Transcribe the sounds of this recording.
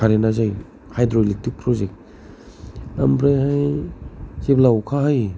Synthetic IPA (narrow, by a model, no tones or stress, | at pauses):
kaɾenazaj | hajdɾolik̚tik̚pʰɾɔzek̚t̚ | ambɾajɦaj | seblawkʰaɦaj